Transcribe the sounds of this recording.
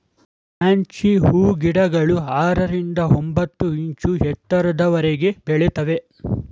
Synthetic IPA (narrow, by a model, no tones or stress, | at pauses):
maːɲt͡ʃihuːɡiɽɐɡɐɭuaːɾɐɾind̪ɐombɐt̪ːuiɲt͡ʃuɦɛt̪ːɐɾɐd̪ɐʋɐɾeɡe̞beɭet̪ɐʋe̞